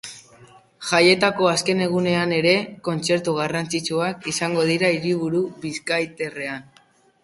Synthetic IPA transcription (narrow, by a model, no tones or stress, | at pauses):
ʝaje̞t̪ako̞aske̞ne̞ɣ̞une̞ane̞ɾe̞ko̞nt͡se̞ɾt̪uɣarant͡sit͡ʃuakisaŋɡo̞ð̞iɾaiɾiβ̞uɾuβiskajt̪e̞re̞an